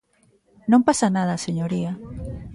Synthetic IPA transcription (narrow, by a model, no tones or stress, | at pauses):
nõmpasanaðaseɲoɾia